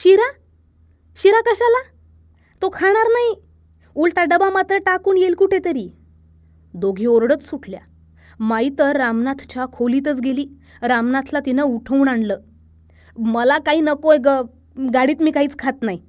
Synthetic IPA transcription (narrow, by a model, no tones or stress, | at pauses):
ɕiɾa | ɕiɾakəɕala | t̪okʰaɽ̃aɾnaɦi | ulʈaɖəbamat̪ɾəʈakuːnjelkuʈʰet̪əɾiː | d̪oɡʱiːoɾɽət͡ssuʈʰlja̰ | mait̪əɾːamnat̪ʰt͡ɕakʰoliːt̪ət͡sɡeliː | ɾamnat̪ʰlat̪inauʈʰəunaɳləː | məlakaiːnəkojɡə | ɡaɽiːt̪miːkaɦiːt͡skʰat̪naɦi